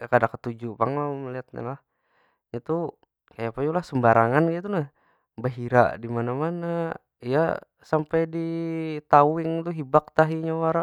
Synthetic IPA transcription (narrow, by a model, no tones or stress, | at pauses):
kadakːət̪ud͡ʒupaŋaməliat̪̚ɲa̰lah | ɲat̪u | kajapajulahsəmbaɾaŋanɡit̪una | baɦiɾa̰dimanamana | ija̰ | sampajdit̪awɪŋt̪uɦibak̚t̪aɦiɲawaɾa